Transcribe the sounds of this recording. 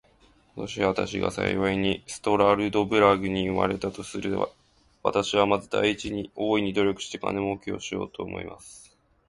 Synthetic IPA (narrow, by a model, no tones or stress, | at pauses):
ko̞t̪o̞ɕiβat̪aɕiɡa̰sa̰iβaiɲ̟isɨ̥t̪o̞ɾaɾɯ̟d̪o̞bɯ̟ɾaɡɯ̟ɲ̟iɯma̰ɾe̞t̪at̪o̞sɨɾɯ̟βa̰ | βa̰t̪aɕiβamad̪ad̪aiːt͡ɕiɲ̟io̞ːiɲ̟id̪o̞ɾʲo̞kɯ̟ɕi̥t̪ekʰa̰ne̞mokʲio̞̰ɕijo̞̰ːt̪o̞ːmo̞̰ḭmʔa̰sɨ̥